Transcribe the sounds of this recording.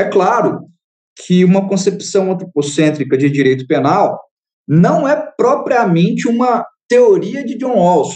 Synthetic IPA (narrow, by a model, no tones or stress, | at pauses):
ɛklaɾʊ | kʰɪũmɐkõsepsɐ̃w̃ɐ̃nt̪ɾoposẽt̪ɾikɐd͡ʒɪd͡ʒiɾejt̪ʊ̥penaw | nɐ̃w̃ɛpɾɔpɾiɐmẽnt͡ʃɪũmɐt̪eoɾiɐd͡ʒɪd͡ʒõɔws